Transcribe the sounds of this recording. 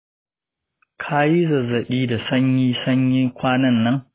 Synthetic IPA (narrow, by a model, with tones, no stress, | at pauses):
kʰa˦ji˦zɐ˨zɐ˨ɗiː˦da˨sɐ˦ɲjiː˦sɐ˦ɲjɪ˦ŋkʷaː˦nɐ˦˨nːɐ˦ŋ